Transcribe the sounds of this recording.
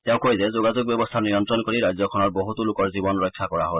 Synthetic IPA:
tɛʊ̃kojzɛzoɡazʊɡ̚bjɔbɔst̪ʰanijɔntɹɔnkoɹiɹajzjɔkʰɔnɔɹboɦut̪ulʊkɔɹzibɔnɹɔjkʰːakɔɹaɦol

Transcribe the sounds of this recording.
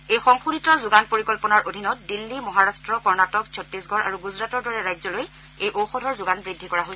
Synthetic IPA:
ejxɔŋxuditɔzʊɡanpoɹikɔlpɔnaɹʔodʱinɔt̚dilːimɔɦaɹastɹɔkɔɹnatɔk̚sʰɔtɹisɡʱɔɹʔa̰ɹuɡuzɹatɔɹdɔɹɛɹajzɔloj | ejʔowxɔdʱɔɹzʊɡanbɹidʱːikɔɹaɦos

